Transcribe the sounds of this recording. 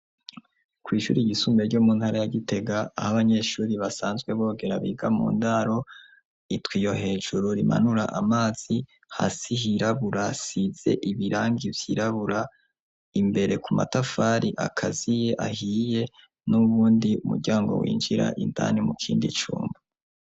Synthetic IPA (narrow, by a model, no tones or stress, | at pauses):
kwiːʃṵːɾiɡisuːmbe̞ɾɟomuːnhaɾajaɡite̞ɡa̰ːhaβaɲe̞ʃuːɾiβasaːnzɡwe̞βo̞ːɡe̞ɾaβḭːɡamṵːndaɾo̞ | itwiːjo̞ɦe̞ːʒuɾoɾima̰nuɾaʔamaːz̥i | ha̰sihiɾaβuɾasiz̥e̞̰ʔiβiɾaːŋɡivjḭːɾaβuɾa | imbe̞ɾe̞kuma̰tafaːɾiʔa̰kʰazije̞ʔahije̞ | nuβuːndiumṵɟaːŋɡo̞̰wḭːnd͡ʒiɾa̰ʔinda̰nimukʰiːndit͡ʃṵːmba